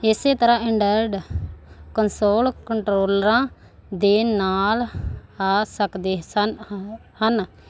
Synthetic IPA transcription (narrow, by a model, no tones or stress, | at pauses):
ɪseːt̪əɾãːɪɳɖəɾɖ | kənsoːlkəɳʈɾoːlɾãː | d̪eːnaːlaːsəkd̪eːsə | hən